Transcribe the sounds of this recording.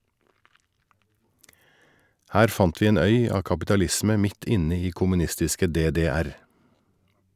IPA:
ˈhæːɾ ˈfɑnt ˈʋiː ˈeːn ˈœʏ ˈɑː kɑpɪtɑˈlɪsmə ˈmɪt ˈɪnə ˈiː kʊmʉˈnɪstɪskə ˌdeːdeːˈæɾ

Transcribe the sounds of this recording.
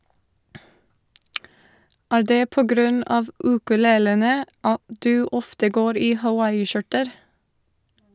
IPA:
ˈæːɾ ˈdeː ˈpoː ˈɡɾʉn ˈɑːʋ ˌʉːkʉˈleːlənə ˈɑt ˈdʉː ˈɔftə ˈɡoːɾ ˈiː hɑˈwɑɪɪˌʃʊʈəɾ

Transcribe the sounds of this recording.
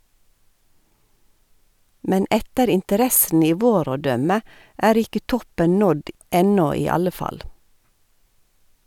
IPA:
ˈmɛn ˈɛtəɾ ɪntəˈɾɛsn̩ ˈiː ˈʋoːɾ ˈoː ˈdœmə ˈæːɾ ˈɪkə ˈtɔpən ˈnɔd ˈɛnɔ ˈiː ˈɑlə ˈfɑl

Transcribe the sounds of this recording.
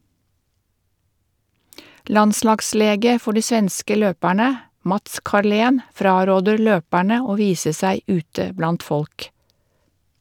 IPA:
ˈlɑnˌslɑɡˌsleːɡə ˈfɔ ˈɖiː ˈsʋɛnskə ˈløːpæɳə ˈmɑts kɑˈɭeːn ˈfɾɑːɾoːdəɾ ˈløːpæɳə ˈoː ˈʋiːsə ˈsæɪ ˈʉːtə ˈblɑnt ˈfɔlk

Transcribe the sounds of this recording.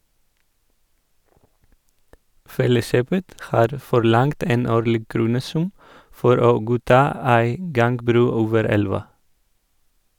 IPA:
ˈfɛləˌʃøːpət ˈhɑːɾ fɔɾˈlɑŋt ˈeːn ˈoːɾlɪɡ ˈkɾuːnəˌsʉm ˈfɔɾ ˈoː ˈɡuːˌtɑː ˈæɪ ˈɡɑŋɡbɾʉː ˈoːʋəɾ ˈɛlʋɑ

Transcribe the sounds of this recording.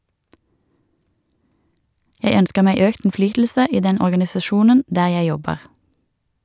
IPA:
ˈjæɪ ˈœnskə ˈmæɪ ˈøːkt n̩ˈflyːtl̩sə ˈiː ˈdɛn ɔʁɡɑnɪsɑˈʃuːnən ˈdæː ˈjæɪ ˈjɔbəʁ

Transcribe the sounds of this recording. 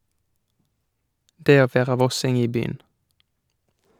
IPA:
ˈdeː ˈoː ˈʋeːʁɑ ˈʋɔsɪŋ ˈiː ˈbyːən

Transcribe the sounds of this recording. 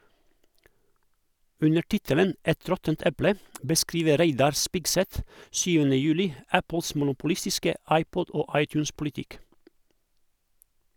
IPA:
ˈʉnə ˈʈɪtələn ˈɛt ˈɾɔtənt ˈɛplə bəˈskɾiːʋə ˈɾæɪdɑɾ ˈspɪɡˌsɛt ˈsyːʋənə ˈjʉːlɪ ˈæpəls mʊnʊpʊˈlɪstɪskə ˈɑɪˌpɔd ˈoː ˈɑɪˌtjʉːnspʊlɪˌtɪk

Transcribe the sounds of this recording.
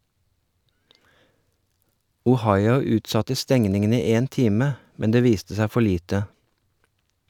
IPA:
ʊˈhɑɪʊ ˈʉːtˌsɑtə ˈstɛŋnɪŋən ˈiː ˈeːn ˈtiːmə ˈmɛn ˈdeː ˈʋiːstə ˈsæ ˈfɔ ˈɭiːtə

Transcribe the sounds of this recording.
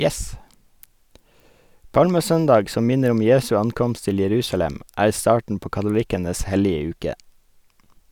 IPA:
ˈpɑlməˌsœndɑɡ ˈsɔm ˈmɪnəɾ ˈɔm ˈjeːsʉ ˈɑnˌkɔmst ˈtɪl jɛˈɾʉːsɑlɛm ˈæːɾ ˈstɑːʈɳ̩ ˈpoː kɑtʊˈlɪkənəs ˈhɛlɪə ˈʉːkə

